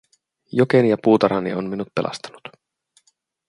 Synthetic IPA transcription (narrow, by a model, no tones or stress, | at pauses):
jokenijɑpuːt̪ɑɾɑnḭonminut̪̚pe̞lɑ̰st̪ɑ̥nut̪